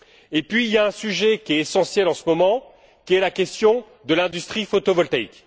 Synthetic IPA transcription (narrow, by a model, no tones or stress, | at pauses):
epɥiːljaɛ̃syʒɛkʲiɛesɑ̃sjɛlɑ̃səmɔmɑ̃ | kʲiɛlakʲɛst̪jɔ̃ | d̪əlɛ̃d̪yst̪χifot̪ovɔlt̪aik